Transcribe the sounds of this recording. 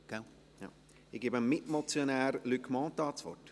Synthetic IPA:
ɡ̥a | ja̰ | ɪɡ̥ɪːbəmmɪtmɔt͡sjonæːɾlykmɑ̃ːtɑːt͡svɔ̰t

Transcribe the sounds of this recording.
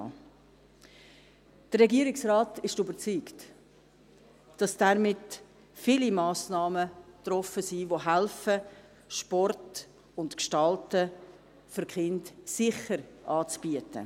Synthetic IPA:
d̥əɾːɛɡiəɾɪksraːtɪʃtybəɾt͡syːkt | d̥ɑsd̥aɾmɪt | filimɑːsnɑːmətɾɔfəsiːvoɦælfə | ʃpɔrt | ʊntkʃtɑltə | fʏɾkχɪntsɪχəɾʔɑːt͡sb̥iətə̰

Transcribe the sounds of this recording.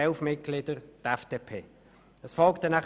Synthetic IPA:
ɛlfmɪt̚ɡ̥lɪd̥əʁd̥̪ɛfd̥eːpʰeː | əsfɔlktdɛnæ

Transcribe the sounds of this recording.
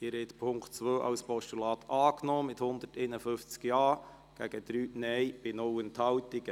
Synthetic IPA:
ɪɾhɛt̪pʰʊŋktt͡sʋøːʔɑ̰wspɔʃtulɑːt̪ʰɑːknoːmɪthʊnd̪ətɛɪnəfʏft͡skjɑː | ɡ̥æɡ̥əd̪ɾyːnɛjb̥ɪnowənt̪hɑwtɪɡə

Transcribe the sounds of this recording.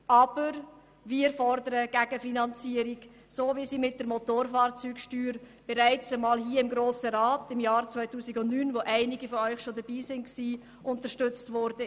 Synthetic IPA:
ʔɑb̥əɾ | viːəɾfɔɾdəɾəɡ̥æɡ̥əfinɑnt͡siəɾiɡ | soːvisiːmɪt̚d̥əɾmotoːɾfaːɾt͡syːkʃtyːɾ | b̥ɛɾæɪt͡səmɑːlɦiːəɪmɡɾoːsəɾaːtɪmjɑːɾt͡sʋvœʏtuːsɪɡʊntnyːnʋoʔæɪnɪɡifɔœʏxʃodəb̥iːsɪnksiː | ʔʊntəʃtʏt͡stvɔɾd̥ə

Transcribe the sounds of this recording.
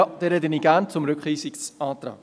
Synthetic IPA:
d̥ɛːɾɛdəniɡant͡sʊmɾʏkχiːsiksɑːt̪ɾɑ̰ː

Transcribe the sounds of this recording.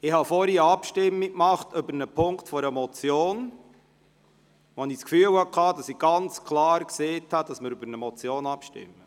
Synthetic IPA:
ɪhɑfɔɾiəɑpʃtɪmːikmɑχtʏbəɾnəpʰʊŋktfɔɾəmɔt͡sjoːn | ʋɔniskfyːəwhɑkʰɑːdɑsiɡ̥ɑnt͡skʰlɑːɾkseːthɑd̥ɑsməɾybəɾnəmɔt͡sjoːnɑpʃtɪ̰mːə

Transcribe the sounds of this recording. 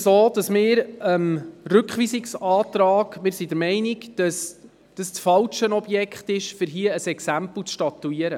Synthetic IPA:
soːd̥ɑsmɪːɾəmrʏkχʋiːsɪksɑːtɾɑːɡmɪːɾsidɛɾmɛɪnɪɡd̥ɑs | d̥əst͡sfɑlʃənɔb̥jɛkχtɪʃfɪɾɦiəəsɛksæmpl̩t͡sʃtɑt̪ːuiəɾə

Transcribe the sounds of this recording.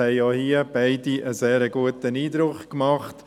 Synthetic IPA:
ɛɪjɑhiːəb̥æɪdiʔəseːɾəɡuət̪əniːd̪ɾʊχkmɑχt

